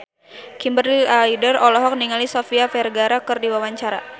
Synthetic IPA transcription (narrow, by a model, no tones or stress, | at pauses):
kimbəraidərɔlɔɦɔk̚niŋalisofiafɛrɡaɾakɨrdiwawaɲt͡ʃaɾa̰